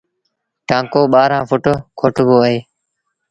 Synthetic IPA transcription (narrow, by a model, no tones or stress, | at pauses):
ʈãːŋkoːɓaːɾãːfʊʈoːkʰoʈɡoːəɦeː